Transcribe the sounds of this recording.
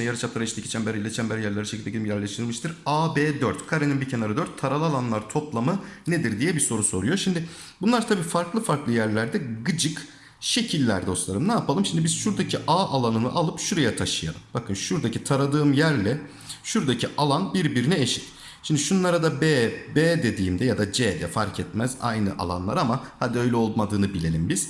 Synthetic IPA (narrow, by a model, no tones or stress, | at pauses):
ɛjaɾɯt͡ʃʰap̚lˠaɾit͡ʃt̪ecʰʲi̥t͡ʃʰænbeɾailʲet͡ʃʰænbɛɾjæɾlʲeɾiʃecilʲd̪eciijæɾlʲɛʃt̪ʰɾɯlmɯʃt̪ʰɯɾaːbeːd̪øɾt̪kʰaɾeninbicʰenaɾad̪øɾt̪ʰːaɾalˠɯalˠanlˠaɾt̪ʰo̞plˠamɯned̪iɾd̪ijɛbiso̞ɾuso̞ɾujo̞ʃimd̪ɪ | bunlˠaɾt̪ʰabiːfaɾklˠɯfaɾklˠɯjæɾlʲæɾd̪ɛɡɯd͡ʒɯk | ʃe̞cʰilʲːæ̰ɾd̪o̞slˠaɾɯmnaːpʰalˠɯmʃimd̪ibiz̥ʃuɾd̪acʰiʔaːʔalˠanɯnɯ̰ʔalˠɯpʃuɾajat̪ʰaʃɯja̰lˠɯmb̥akʰɯnʃuɾd̪acʰit̪ʰaɾad̪ɯːmjæɾlʲɛ | ʃuɾd̪acʰiʔalˠanbiɾbiɾinɛeʃi̥t̪ | ʃimd̪iʃununaɾad̪abɛbeːd̪e̞d̪iːmd̪ɛjad̪ad͡ʒɛːd̪ɛfaɾcʰɛt̪mɛza̰jnɯʔa̰lˠa̰nlˠa̰ɾamahad̪iø̞jlʲɛo̞lˠmad̪ɯːnɯbilʲe̞lʲimbiz̥